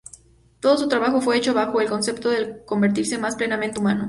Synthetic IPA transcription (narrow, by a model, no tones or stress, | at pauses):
t̪o̞ðos̬ut̪ɾaβaxo̞fwe̞et͡ʃo̞βaxo̞e̞lko̞nsept̪o̞ðeko̞mbe̞ɾt̪iɾsemasple̞namẽnt̪eumano